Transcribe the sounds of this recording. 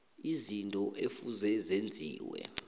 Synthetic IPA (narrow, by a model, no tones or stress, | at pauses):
izintʼɔʔefuzɛzend͡zʱḭːwɛ̰